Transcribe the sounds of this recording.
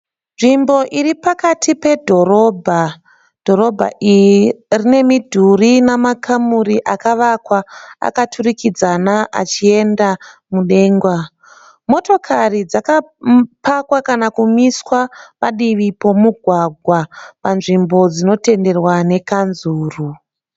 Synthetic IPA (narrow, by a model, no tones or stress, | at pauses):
nʐimbo̞ʔiripakatʰipe̞dʱo̞ɾo̞bʱa | d̥ʱo̞ɾo̞bʱa̰ʔijirine̞midʱurinamakʰamuriʔakaʋakwaa̰katʰurikid͡zanaʔa̰t͡ʃie̞ndamuɗe̞ːŋɡwa | mo̞to̞kʰarid͡zakapʰakwakanakumiswapaɗiʋipo̞muɡʱwaɡʱwapanʐimbo̞d͡zino̞te̞nde̞rwane̞kanzuːru